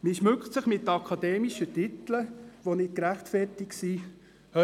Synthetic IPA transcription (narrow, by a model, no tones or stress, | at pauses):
miʃmʉkχtsɪχmɪt̪ːɑkʰɑd̪ɛːmiʃətɪt̪ləʋonɪt̚kɾæχtfɛrtiksi | hœ